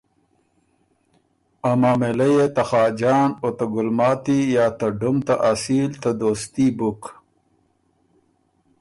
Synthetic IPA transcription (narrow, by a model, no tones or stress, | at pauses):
amaːmelɐjet̪axɑːd͡ʒɑːnot̪aɡʊlmɑːt̪ijaːt̪ɐɖumt̪aʔasiːlt̪ad̪oːst̪ibuk